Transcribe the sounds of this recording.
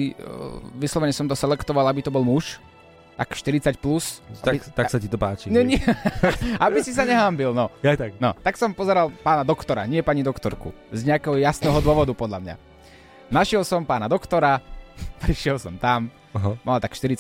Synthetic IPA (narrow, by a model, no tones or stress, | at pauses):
i | ʋislɔʋɛɲɛsɔmt̪ɔsɛlɛkt̪ɔʋalabit̪ɔbɔlmuʃ | t̪akʃt̪iɾit͡sacplusaat̪asacit̪ɔpaːt͡ʃiɲɛɲɪ | abisis̬aɲɛɦambilnɔat̪aknɔt̪aksɔmpɔzɛɾalˠpaːnad̪ɔkt̪ɔɾa̰ɲɪɛpaɲid̪ɔkt̪ɔɾkṵzɲɛakɛːɦɔjasnɛːɦɔd̪ʊɔʋɔd̪upɔd̪ʎamɲa̰ | naʃɪɛlsɔmpaːnad̪ɔkt̪ɔɾapɾiʃɪɛlsɔmt̪am | ɦamalt̪akʃt̪iɾit͡sa